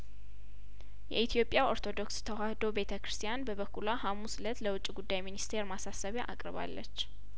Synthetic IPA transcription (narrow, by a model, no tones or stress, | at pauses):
jɛ̰ʔit̪ʰjo̞pʼːjao̞ɾt̪ʰo̞d̪o̞kst̪ʰəwahd̪o̞be̞t̪ʰəkʰɨɾɨ̥st̪ʰijanbəβəkʰːulahamuslət̪ləwʊt͡ʃʼːiɡud̪ːajminist̪ʰe̞ɾmasasəβiʔa̰kʼɾɨβa̰lːət͡ʃː